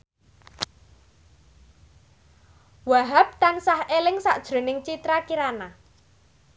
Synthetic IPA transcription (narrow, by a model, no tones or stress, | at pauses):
waɦap̚t̪ansahelɪŋsaʔd̥ʒ̥ɾo̤nɪŋt͡ʃit̪ɾakiɾana